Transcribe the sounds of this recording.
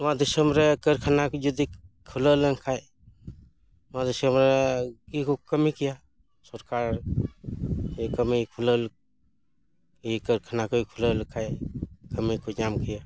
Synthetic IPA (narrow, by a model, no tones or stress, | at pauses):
mad̪isəmɾekəɾkʰanakud͡ʒud̪ikʰulələŋkʰaj | mãd̪isəmɾekikukəmikija | sɔɾkaɾ | ekəmikʰuləl | ikəɾkʰanakokʰuləlkʰajkəmikud͡ʒamkija